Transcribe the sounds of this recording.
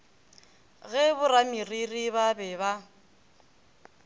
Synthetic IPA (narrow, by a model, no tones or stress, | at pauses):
ɣɛbʊramiririβabɛβa